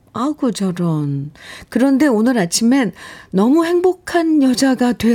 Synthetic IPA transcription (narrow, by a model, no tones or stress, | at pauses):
aɡot͡ɕʌɾʌnkɯɾʌnde̞onɯɾat͡ɕʰimenːʌmuhe̞ŋbokʰanjʌd͡ʑaɡatwe̞